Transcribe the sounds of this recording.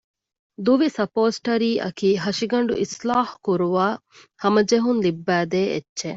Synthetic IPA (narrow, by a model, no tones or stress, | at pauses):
d̪uʋisɐpoːsʈɐɾiːʔɐ̰kiːɦɐʃiɡɐɳɖṵʔislaːħkuɾuʋaː | hɐmɐd͡ʒeɦunlibːæːd̪eːḛtːʃe